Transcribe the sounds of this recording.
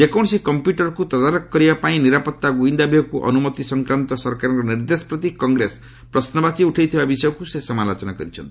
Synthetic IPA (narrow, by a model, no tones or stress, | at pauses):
ekawnsikʌmpjuʈʌrkut̪ʌd̪aɾɔkːʌɾibapaĩniɾapʌt̪ːaɡuĩnd̪abʱiɦʌkuʔʌ̰numʌt̪isʌŋkɾant̪ɔsʌrkaɾnkonird̪esprʌt̪̬ikʌŋɡɾes | prʌsnʌbat͡siuʈʰejt̪ʰibabisʌjɔ̃kusesʌmalot͡sʌnaɡʌɾit͡sʰʌ̰n